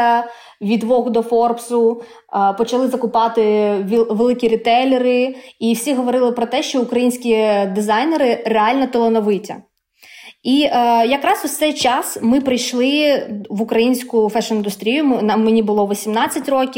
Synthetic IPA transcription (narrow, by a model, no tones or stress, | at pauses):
ɐ | ʋʲid̪ʋɔɣʊd̪ɔfɔrpsʊ | pɔt͡ʃɐlˠɪzɐkʊpɑt̪ɪʋʲʋelˠɪkʲiɾʲit̪ɛlʲeɾɪiwsʲiɦɔʋɔɾɪlˠɪpɾɔt̪ɛʃt͡ʃɔʊkɾɐjinʲsʲkʲid̪ɪzɑjneɾɪreɑlʲnɐt̪ɔlˠɔnɔʋɪtʲɐ̰ | ijɐkɾɑsʊt̪sɛjt͡ʃɑsmɪpɾɪjʃlˠɪʋʊkɾɐjinʲsʲkʊfɛʃnɪnd̪ʊst̪ɾʲijʊnɐmenʲibʊlˠɔʋɔsʲimnɑt͡sʲːɐtʲrɔkʲi